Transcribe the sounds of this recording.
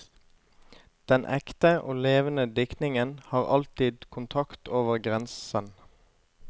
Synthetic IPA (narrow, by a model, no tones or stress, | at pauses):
d̪̥ɛnʔɛkt̪əʔo̰ːleːʋənəd̪ɪknɪŋənhɑːʁɑlt̪ɪːd̪kʰʊnt̪ʰɑkt̪oːʋəʁɡʁɛnsən